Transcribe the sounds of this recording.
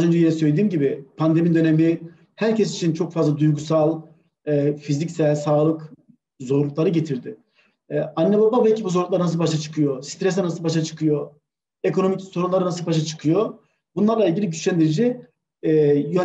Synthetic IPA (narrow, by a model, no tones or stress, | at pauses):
zønd͡ʒejenɛsøjlʲed̪iːmɟibɪpʰand̪e̞mid̪ø̞nemi | hæɾcʰɛsi̥t͡ʃʰint͡ʃʰo̞kfazlˠad̪ujɡusalˠ | ɛfizicsælʲsaːlˠɯk | zo̞ɾlˠuk̚lˠaɾɯɟet̪ʰiɾd̪ɪ | anːebabavɛcʰːibuzoɾluklˠaɾɯnas̬ɯlˠbaʃat͡ʃʰɯ̥kʰɯjo̞si̥t̪ɾɛs̬ɛnasɯlˠbaʃ̬at͡ʃʰɯ̥kʰɯjo | ekʰoo̞micsoɾunlˠaɾɯnasɯlˠbaʃ̬at͡ʃʰɯ̥kʰɯjo | bunlˠaɾlˠailʲɟʲilʲiɟyt͡ʃlʲænd̪iɾed͡ʒi | jø